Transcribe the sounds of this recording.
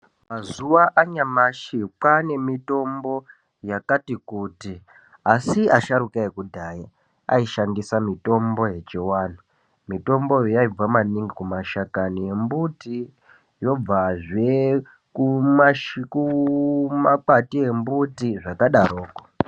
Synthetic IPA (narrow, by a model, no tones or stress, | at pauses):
mazuwaʔaɲamaʃipane̞mito̞mbo̞ | jakatikuti | asiaʃaɾukaekudʱaːja | a̰iʃandisamito̞mbo̞je̞t͡ʃiwaːnu | mito̞mbo̞jojaib͡vwamaniŋɡikumaʃakanije̞mbuti | jo̞b͡vaʐe | kumaʃku | mapatie̞mbutiʐakaɗaɾoːko